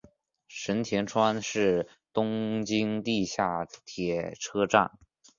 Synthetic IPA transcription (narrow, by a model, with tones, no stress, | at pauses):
ʂə˧˥nt̪ʰjɛ˧˥nʈ͡ʂʰwa˥nʂɻ̩˥˩ | t̪ʊ˥ŋt͡ɕi˥ŋt̪i˥˧ɕja˥˩t̪ʰjɛ˨˩ʈ͡ʂʰɤ˥ʈ͡ʂa̰˥˩n